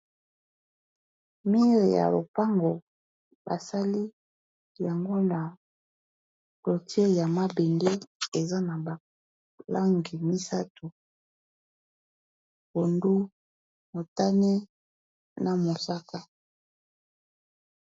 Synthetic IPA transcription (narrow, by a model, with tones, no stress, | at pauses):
mi˦ʁe˨ja̰˨lo̰˨pa˦ŋɡo˨ | ba˨sa˦li˦ | ja˨ŋɡo˦na˨ | klo˨tje˦ja˨ma˦be˨nde˦e˨za˦na˨ba˨ | la˦ŋɡi˨mi˦sa˦tu˨ | ko˨ndu˦ | mo˨ta˦nɛ˦ | na˨mo˨sa˦ka˦